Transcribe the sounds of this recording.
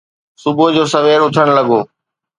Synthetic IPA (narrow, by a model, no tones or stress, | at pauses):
sʊbʱod͡ʑoːsɐʋeːɾʊt̪ʰəɽ̃lɐɡoː